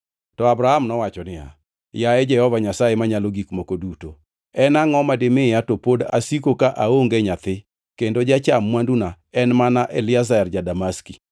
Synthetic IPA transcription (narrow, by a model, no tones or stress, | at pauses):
tɔabɾahamnɔwat͡ʃɔnɪa̰ | jaɛd͡ʒɛhɔvaɲasaemaɲaloɡikmokoduto | ɛnaŋɔmadɪmɪjatopoda̰sikokaʔaoŋɡɛɲat̪ɪ | kendod͡ʒat͡ʃamːwanduna | ɛnmanaʔɛlɪazaɛrd͡ʒadamaski